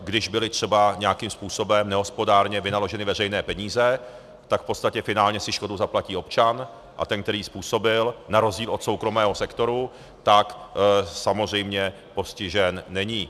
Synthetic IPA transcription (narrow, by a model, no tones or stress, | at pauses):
ɡdɪʒbɪlɪt̪r̥ɛbaɲɛakimspuːso̞bɛmnɛɦo̞spo̞daːɾɲɛvɪnalo̞ʒɛnɪvɛrɛjnɛːpɛɲiːzɛ | t̪akfpotst̪acɛfɪnaːlɲɛsɪʃko̞dowzaplaciːo̞pt͡ʃan | ʔa̰t̪ɛnk̚t̪ɛɾiːspuːso̞bɪlnaɾo̞zɟiːlo̞t̪so̞wkɾo̞mɛːɦo̞sɛkt̪o̞ɾu | t̪aksamozr̝ɛjmɲɛ | po̞scɪʒɛnːɛɲiː